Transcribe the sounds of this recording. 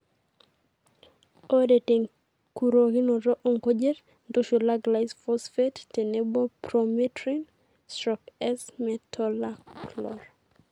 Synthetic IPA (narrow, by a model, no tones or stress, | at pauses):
odeteŋ | kuɾoɡɪnɔɾɔʔoŋkod͡ʒeɾ | ndoʃolaɡlajsfɔsfetːenebɔpɾometɾin | stɾɔkɛsmɛtʰɔlaklɔɾ